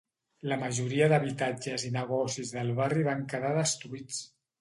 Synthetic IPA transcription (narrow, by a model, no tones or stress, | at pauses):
ləməʒuɾiəðəβit̪ad͡ʒəzinəɣ̞ɔsizðəlˠβariβ̞aŋkəðaðəst̪uit͡s